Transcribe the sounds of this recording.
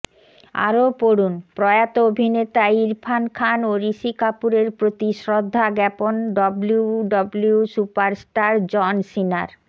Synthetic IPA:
a̰ɾopoɽunpɾɔjat̪oobʱinet̪aiɾpʰankʰanoɾiʃikapuɾeɾpɾot̪iʃɾod̪ʱːaɡɛponɖɔbluɖɔbliusupaɾsʈaɾd͡ʑɔnsina̰ɾ

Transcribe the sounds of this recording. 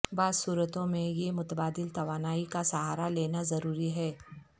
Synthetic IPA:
baːzsuːɾət̪õmẽjemʊt̪əbaːd̪ɪlt̪ɐʋaːnaːikasɐɦaːɾaleːnazɐɾuːɾiɦɛː

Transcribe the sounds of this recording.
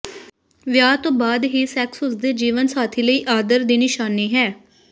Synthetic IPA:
ʋjaːt̪õːbaːd̪ɦiːsɛːksɦʊsd̪eːd͡ʒiːʋənsaːt̪ʰiːləiːʔaːd̪əɾd̪eːnɪʃaːneːɦɛː

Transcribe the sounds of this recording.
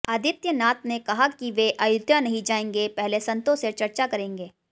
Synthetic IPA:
ɐd̪ʱɪt̪jənaːt̪nekɐɦakiʋeʔɐjʊd̪ʱjanɐɦĩd͡ʒaːẽːŋɡepɛɦlesɐ̃nt̪õseɾt͡ʃɐɾt͡ʃakɐɾẽːŋɡeː

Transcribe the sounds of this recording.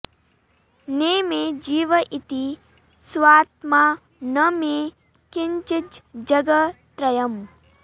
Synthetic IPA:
neːmed͡ʒiːʋɐʔit̪i | sʋaːt̪maː | nɐme | kɪɲt͡ʃid͡ʒd͡ʒɐɡɐt̪ɾɐjɐm

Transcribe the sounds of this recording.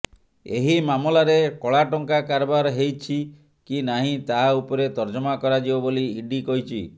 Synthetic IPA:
ḛɦimamɔlaɾekɔɭaʈɔŋkakaɾbaɾɦejt͡ʃʰi | kinaɦĩt̪aɦaupɔɾet̪ɔɾd͡ʒɔmakɔɾad͡ʒibɔboliːɖikɔɦjt͡ʃʰi

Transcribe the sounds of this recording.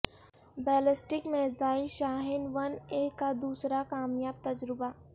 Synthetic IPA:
bɛːlɪsʈɪkmeːd̪aːiʃaːɦɪnʋɐneːkːad̪uːsɾakaːmjaːb̚t̪ɐd͡ʒɾɪbaː

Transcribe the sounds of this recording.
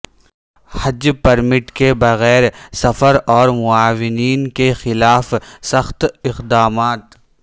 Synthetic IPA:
hɐd͡ʒpɐɾmɪʈkebɐɣɛːɾsɐfəɾɔːɾmʊaːʋɪniːnkexɪlaːfsɐxt̪ɪqd̪aːmaːt̪

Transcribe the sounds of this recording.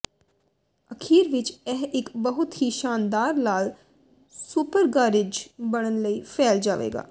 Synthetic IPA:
əkʰiːɾʋɪt͡ʃɛɦɪkbəɦʊt̪ɦiːʃaːnd̪aːɾlaːl | supəɾɡaːɾɪd͡ʒbəɽ̃ənləiːpʰɛːld͡ʒaːʋḛːɡa̰ː

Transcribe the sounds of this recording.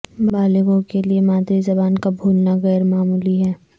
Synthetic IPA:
bbaːlɪɡõkeliemaːd̪ɾizɐbaːnkabʱuːlnaɣɛːɾmaːmuːliɦɛː

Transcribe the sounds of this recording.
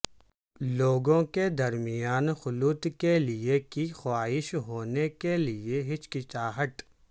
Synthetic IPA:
loːɡõked̪ɐɾmɪjaːnxʊluːt̪keliekixwaːɪʃɦoːnekelɪeɦɪt͡ʃkɪt͡ʃaːɦət̪

